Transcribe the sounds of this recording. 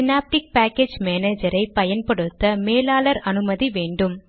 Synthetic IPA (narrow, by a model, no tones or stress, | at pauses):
sɪnaːp̚ʈɪk̚paːkːeːd͡ʒmeːneːd͡ʒɐɾɐɪpɐjɐnpɐɽɯt̪ːɐmeːlaːlɐɾɐnɯmɐðiʋeːɳɖɯm